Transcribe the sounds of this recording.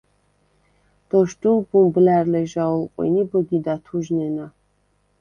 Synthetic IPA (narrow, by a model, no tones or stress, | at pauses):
d̪̥ɔʃd̪ulbumblæɾlɛʒaulqʼwḭnibɔɡid̪at̪ʰuʒnɛna